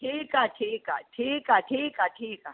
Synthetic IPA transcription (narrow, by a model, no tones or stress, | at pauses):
ʈʰiːkaʈʰiːka̰ʈʰiːkaʈʰiːkaʈʰiːka